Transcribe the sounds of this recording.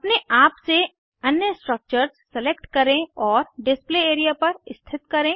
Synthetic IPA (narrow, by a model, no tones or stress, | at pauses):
ɐpneʔaːpse | ɐnjəsʈɾək̚t͡ʃəɾzsɛlekʈkɐɾẽɔːɾɖɪspleeːɾijapɐɾɪst̪ʰɪt̪kɐɾẽː